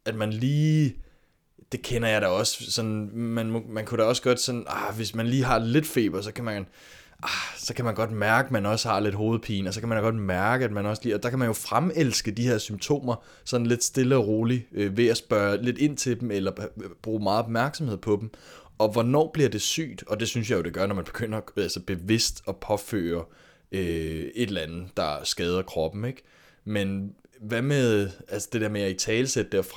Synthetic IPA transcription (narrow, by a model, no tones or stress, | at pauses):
æd̥mænliː | d̥e̝kʰenɐjɑ̈ɪɾ̥ɑɒ̽ssɒ̽nmænmɔmænkʰuɾ̥ɑɒ̽sɡ̥ɒ̽d̥sɒ̽nʔaʋe̝smænliːɦɑ̈le̝d̥fe̝̰ːb̥ɐsɒ̽kʰæmæn | ʔɑsɒ̽kʰæmænɡ̥ɒ̽d̥mæɐɡ̥əmænɒ̽shɑ̈le̝d̥ɦo̝ːð̞̩ˠpʰḭːnɒsɒ̽kʰæmænɡ̥ɒ̽d̥mæɐɡ̥əæd̥̚mænɒ̽sliːɒd̥ɑ̈kʰæmænjo̝fʁamelsɡ̥əd̥iheɐsymt͡sʰo̝̰ːmɐ | sɒ̽n̩le̝d̥sd̥e̝ləɒʁo̝ːliøʋe̝æsb̥ɶːɐle̝d̥e̝n̰t͡sʰe̝ldem̩elɐb̥ʁuːmɑ̈ːð̩ˠɒ̽b̥mæɐɡ̥sɒ̽mhe̝ð̞̰ˠpʰɒ̽d̥emʔɒ̽ʋɒnɒ̰ːb̥liɐd̥e̝sy̰ːd̥ɒ̽d̥e̝syns̬jɑ̈jo̝d̥e̝ɡ̥ɶɐnɒmænb̥e̝ɡ̥øn̰ɐɒælsɐb̥e̝ʋe̝sd̥ɒ̽pʰɒ̽fø̰ːɐ | øe̝d̥lænð̩ˠd̥ɑ̈sɡ̥ɛːð̞ˠɐkʰʁɒ̽b̥n̩eɡ̥ | menʋæmeðˠælsɒ̥d̥e̝de̝ɐ̰meæit͡sʰɛːləsed̥əd̥eɐfʁɑ